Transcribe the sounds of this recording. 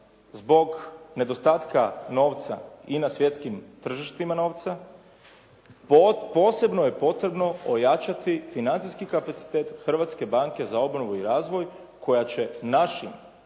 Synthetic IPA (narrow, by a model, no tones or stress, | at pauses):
zbo̞ɡne̞d̪o̞st̪aːt̪kano̞ːʋt̪sa̰inasʋje̞t̪skimt̪r̩ʒiʃt̪imano̞ːʋt̪sa | po̞ːse̞bnoje̞po̞t̪ɾe̞bno̞ojat͡ʃat̪ifinant̪ijskikapat̪si̥t̪eːt̪xr̩ʋat̪ske̞baŋke̞zao̞bnoʋuiɾaːzʋo̞j | kʰo̞jat͡ɕe̞naʃḭm